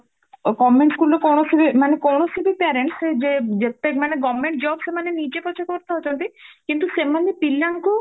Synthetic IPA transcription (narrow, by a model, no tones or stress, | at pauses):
kɔmeɳʈsɡulokɔnoʃubimanekɔnoʃubipɛɾeɳʈsed͡ʑed͡ʑet̪emaneɡɔmeɳʈ̚d͡ʑɔbsemanenid͡ʑekɔt͡ɕʰekoɾt̪eɦot͡ɕʰont̪ikint̪uʃemanepilːanko